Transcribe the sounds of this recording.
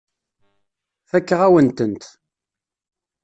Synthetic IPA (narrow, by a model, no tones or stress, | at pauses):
θækːʁæwənt̪ənt̪